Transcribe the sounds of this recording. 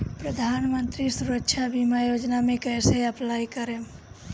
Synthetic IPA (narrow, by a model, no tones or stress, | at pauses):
pɾəd̪ʱanmənt̪ɾisuɾəkʃʰabimajod͡ʒnamẽkəjseəplajkəɾem